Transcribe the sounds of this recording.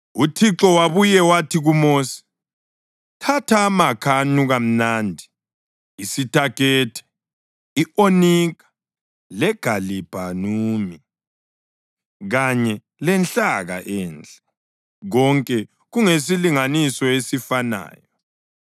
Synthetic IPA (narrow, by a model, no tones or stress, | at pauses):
utʰiǁɔwaβujɛwatʰiɣumoːsi̥ | tʰatʰamakʰanuɣam̩nandʱi | isitʰʼakɛːtʰɛ̥ | iʔoniɣḁ | lɛɡ̥ʱalib̥ʱanuːmi | ɣaɲɛ | lɛnt͡ɬaɣa̰ʔɛːnd͡ɮʼɛ̥ | ɣɔŋkʼɛ | ɣuŋesiliŋanisɔesifana̰ːjɔ